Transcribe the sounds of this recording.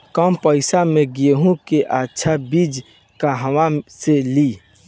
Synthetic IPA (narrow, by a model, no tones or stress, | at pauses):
kaːmpəɪsamẽɡieɦũkeʔaːtːʃʰabiːd͡ʒ | kaɦəwaseli